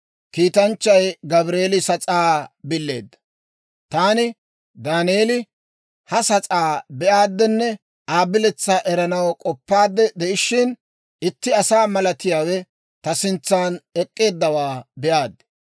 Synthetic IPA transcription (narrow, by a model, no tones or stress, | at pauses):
kiːt̪ɐnt͡ʃːɐjɡɐbɾeːlɪsɐt͡sʼaːbɪlːe̞̰ːd̪ːɐ̥ | t̪aːnɪ | d̪aːneːlɪ | hɐsɐt͡sʼaːbɛʔaːd̪ːɛnːɛ | ʔaːbɪlɛt͡sːɐʔɛɾɐnɐwkʼɔpːaːd̪ːɛd̪ɛʔɪʃːɪn | ʔɪt̪ːɪɐsaːmɐlɐt̪ɪjaːwɛ | t̪ɐsɪnt͡sːaːnɛkʼːe̞ːd̪ːɐwaːbɛʔaːd̪ːɛ̥